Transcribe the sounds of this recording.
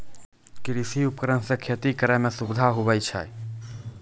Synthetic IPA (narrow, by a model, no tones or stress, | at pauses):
kɪɾisiʊpkɾənsẽkʰet̪ikəɾɛmẽsʊbɪd̪ʱaɦʊbəjt͡ʃʰa̰